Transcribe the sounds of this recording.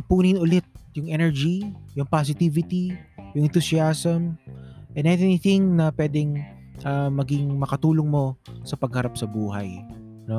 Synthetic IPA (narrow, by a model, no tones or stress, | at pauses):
puːnɪnʔʊlɛt̪̚jʊŋʔɛnɛɹd͡ʒijʊŋpas̬ɪt̪iːvɪt̪ijʊŋʔɛ̃nt̪ʊsiasɐmʔɛnɛnniθɪŋnɐpwɛːd̪ɛŋ | ʔɐmɐɡɪŋmɐkɐt̪uːloŋmo̞sɐpɐɡ̚hɐɾap̚sɐbuːɦɐ̰j | no̞